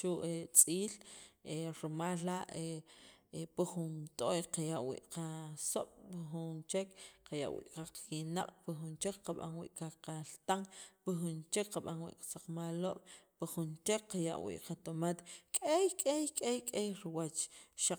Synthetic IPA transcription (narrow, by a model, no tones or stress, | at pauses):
ʃuʔet͡sʼiːleɾimaːlːaʔe | puχunt̪ʼojqajaʔwḭːʔqasoɓ̥piχunt͡ʃekqaja̰ʔwḭːʔqaqːina̰qʼpixunt͡ʃekqaɓa̰nwḭːʔkaqalt̪aŋpixunt͡ʃekqaɓanwḭːʔqḁsaq͡χmaloɓ̥piχunt͡ʃek̚qaja̰ʔwḭʔqat̪omat̪kʼejkʼejkʼejkʼejɾiwat͡ʃʃa